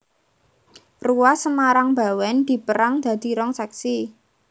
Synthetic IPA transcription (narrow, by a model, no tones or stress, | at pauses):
ruwasəmaɾaŋba̤wɛnd̪̥i̤pəɾaŋd̪̥ä̤d̪̥i̤ɾɔŋsɛksi